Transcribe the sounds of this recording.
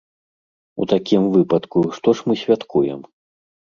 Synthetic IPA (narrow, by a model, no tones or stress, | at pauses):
ṵt̪akʲimvɨpɐt̪kuʂt̪ɔʂmɨsʲvʲat̪kʰujɛ̰m